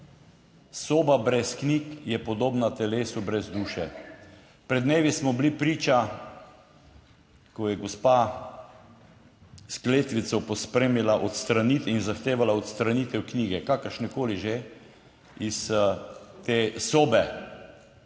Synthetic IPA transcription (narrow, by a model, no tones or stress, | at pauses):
soːbabɾɛsknikjɛpɔd̪oːbnat̪ɛleːsubɾɛzd̪uːʃɛ | pɾɛd̪neːʋjismɔblipɾiːt͡ʃa | kɔjɛɡospa | skleːt̪ʋit̪sɔpɔspɾeːmilaʔɔt̪st̪ɾanit̪inzaxt̪eːʋalaɔt̪st̪ɾanit̪ɛwkniːɡɛkakəɾʃnɛkoːliʒe | is | t̪eːsoːbɛ